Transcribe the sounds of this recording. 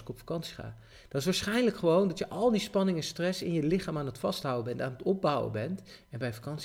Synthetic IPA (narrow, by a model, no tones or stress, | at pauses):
ɪkɔpfḁkɑnsi̥χa̰ː | d̥ɑtɪs̬ʋaːɹsχɛjnləkχəʋowndɑtjəʔɑlˠdispɑnɪŋɛnstrɛsɪnjəlɪχaːmaːnətfɑstɦʌwəbɛntaːnətɔb̚bʌwə̰bɛntɛnbɛjfakɑns